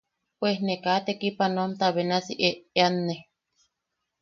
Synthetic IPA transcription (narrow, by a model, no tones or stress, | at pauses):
pwehnekat̪ekipanomt̪aβenasḭʔeʔeanːe